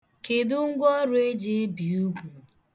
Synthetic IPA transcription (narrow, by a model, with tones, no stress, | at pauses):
ke˨dʊ˦ŋ̩˦ɡʷɔ˦ɾʊ˦e˦d͡ʒe˨˦bi˨u˦ɡʷu˨